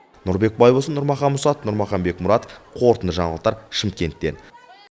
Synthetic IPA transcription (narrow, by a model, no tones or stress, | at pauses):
nʊɾbe̞k̚bɑjbosənʊɾmɑχɑnmʊsɑnʊɾmɑχɑmbe̞kmʊɾɑt̪oəfqʰo̞ɾt̪ənd̪əʒɑɴlˠq̚t̪ːɑɾʃɪmkʲe̞nt̪ːe̞̰n